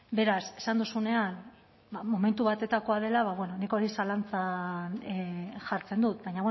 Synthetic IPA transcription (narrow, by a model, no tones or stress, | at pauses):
be̞ɾase̞̥sand̪usune̞an | bamo̞me̞nt̪uβat̪e̞t̪ako̞að̞e̞laβaβwe̞no̞niko̞ɾisalant͡sanʝaɾt͡se̞nd̪ut̪̚bajɲaβw